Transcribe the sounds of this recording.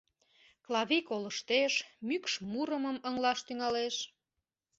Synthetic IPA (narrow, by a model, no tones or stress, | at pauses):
klɑβʲikoləʃt̪eʃmykʃmuɾəməməŋlɑʃt̪yŋɑleʃ